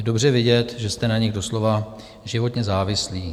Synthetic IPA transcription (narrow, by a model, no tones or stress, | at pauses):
jɛdo̞br̝ɛvɪɟɛt̪ʒɛst̪ɛnaɲɪɣdo̞slo̞va | ʒɪvo̞t̪ɲɛzaːvɪsliː